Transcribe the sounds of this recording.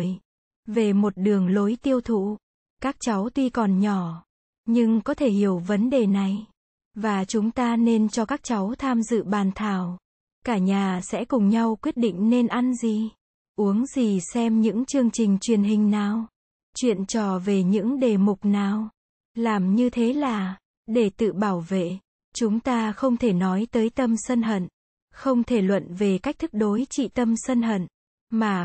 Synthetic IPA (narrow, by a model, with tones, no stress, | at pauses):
j | ve˨˩mo˨˩t̚ɗɨ˨˩əŋlo˨˦jt̪i˧əwt̪ʰṵ˧˨ | kaː˦˥k̚t͡ɕa˨˦wt̪wi˧kɔ˨˩nɲɔ˧˩ | ɲɨ˧ŋkɔ˨˦t̪ʰe˧˩hi˧˩əwvə˨˦nɗe˨˩na˨˩j | vaː˨˩t͡ɕʊ˨˦ŋ͡mt̪aː˧ne˧nt͡ɕɔ˧kaː˦˥k̚t͡ɕa˨˦wt̪ʰaː˧mzɨ̰˧˨ɓaː˨˩nt̪ʰaː˨˩w | kaː˧˩ɲaː˨˩sɛ̰˧˥kʊ˨˩ŋ͡mɲa˧wkwi˦˥ət̚ɗḭ˧˨ŋ̟ne˧nʔa˧nzi˨˧˩ | ʔu˨˦əŋzi˨˩sɛ˧mɲɨ̰˧˥ŋt͡ɕɨ˧əŋt͡ɕï˨˩ŋ̟t͡ɕwi˨˩ənɦï˨˩ŋ̟naː˨˩w | t͡ɕwḭ˧˨ənt͡ɕɔ˧˩ve˨˩ɲɨ̰˧˥ŋɗe˨˩mʊ˨˩k͡p̚naː˨˩w | laː˨˩mɲɨ˧t̪ʰe˨˦laː˨˩ | ɗe˧˩t̪ɨ̰˧˨ɓaː˧˩wvḛ˧˨ | t͡ɕʊ˨˦ŋ͡mt̪aː˧xə˧wŋ͡mt̪ʰe˧˩nɔ˨˦jt̪əː˨˦jt̪ə˧msə˧nɦə̰˧˨n | xə˧wŋ͡mt̪ʰe˧˩lwə̰˧˨nve˨˩ka˦˥k̚t̪ʰɨ˦˥k̚ɗo˨˦jt͡ɕḭ˧˨t̪ə˧msə˧nɦə̰˧˨n | maː˨˩